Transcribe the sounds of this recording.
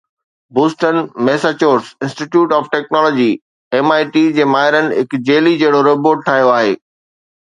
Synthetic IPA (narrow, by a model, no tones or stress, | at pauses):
buːsʈənmɛːsat͡ɕoːɾsɪ̃nsʈiʈjuːʈɔːfʈɛːknɔːlɔːd͡ʑi | emaːɪʈiːd͡ʑeːmaːɦɪɾənɪ̆ɦɪkd͡ʑeːlid͡ʑɐɦɪɽoɾeboːɖ̚ʈʰaːɦijoaːɦeː